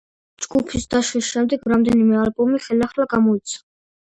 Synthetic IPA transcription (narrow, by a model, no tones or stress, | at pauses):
d͡ʒɡupʰisd̪aʃwisʃɛmd̪ɛɡɾamd̪ɛnimɛalbɔmiχɛliaχlaɡamɔit̪sʰa